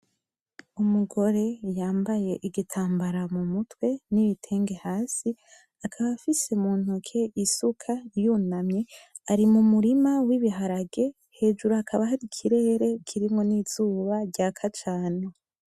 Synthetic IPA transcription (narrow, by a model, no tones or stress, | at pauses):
umuɡo̞ɾe̞jaːmbaje̞ʔiɡitʰaːmbaɾamumutwe̞niβitʰe̞ːŋɡe̞haːsi | akʰaβafise̞muːn̥hukʰe̞ʔisukʰajunamɲe | aɾimumuɾimawiβiɦaɾaɡe̞ | he̞ːd͡ʒuɾoakʰaβaɦaɾikʰiɾe̞ːɾe̞kʰiɾimŋo̞niz̥uːβaɾɟakʰat͡ʃaːne̞